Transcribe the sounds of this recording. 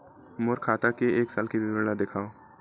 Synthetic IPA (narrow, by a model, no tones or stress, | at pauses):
mʊɾkʰaːt̪akeeːksaːlkibɪəɾɽad̪ɪkʰaːo